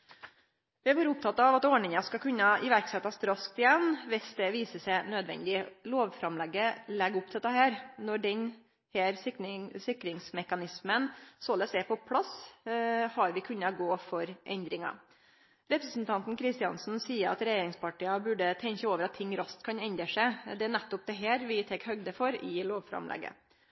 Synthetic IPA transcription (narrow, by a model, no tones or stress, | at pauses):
ʋɪæɾʋuːɾəʊp̚t̪ʰɑt̪ːɑɑʋɑt̪oːɳɪŋɑskɑkʉnːɑɪʋæɾksɛt̪ːɑst̪ɾɑsk̚t̪ɪjɛnːʋɪsd̪ɛʋiːsəsæɪnød̪ʋɛ̰nd̪ɪloːʋfɾɑmlɛɡːəlɛɡːʊpt̪ʰɛt̪ːɑɦæːɾnɔɖɛn | hæːɾsɪkːɾɪŋsmɛkɑnɪsmənsoləsɛpʰɔpʰlɑs | hɑɾʋɪkʰʉnːɑɡoːfɔɾʔɛnd̪ɾɪŋɑ̰ | ɾɛpɾəsn̩t̪ʰɑnt̪n̩kʰɾɪst̪ɪɑ̰nsn̩siːəɾɑ̰t̪ɾɛjeːɾɪŋspɑʈiːɑbʉɖət̪ʰɛɲçəoːʋəɾɑt̪ʰːɪŋːɾɑst̪kʰɑnɛnd̪əʂæɪd̪ɛænæt̪ːʊp̚d̪ɛɦæːɾʋɪt̪ʰɛkhœɡd̪əfɔɾɪloːʋfɾɑ̰mlɛ̰ɡə̰